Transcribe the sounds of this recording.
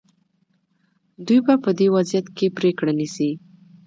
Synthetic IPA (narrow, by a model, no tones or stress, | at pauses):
d̪ujbapəd̪ewazijat̪kepɾekɽanisi